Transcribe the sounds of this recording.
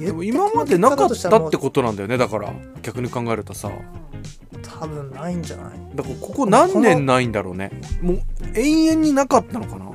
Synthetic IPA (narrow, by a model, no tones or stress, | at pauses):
d̪emoimmamad̪e̞nakatt̪ːat̪ːe̞ko̞t̪o̞nãnd̪ajone̞d̪akaɾa̰ | ɡ̥ʲakɯ̟ɲ̟ikãŋɡaeɾɯ̟t̪osa̰ | t̪ʰabɯ̟̃nnaĩɲd͡ʒana̰id̪akaɾako̞ko̞nãnːẽ̞nːaĩnd̪aɾo̞̰ːnemoːẽ̞ɰ̃ẽ̞ɲ̟ːinakat̪ːano̞kana̰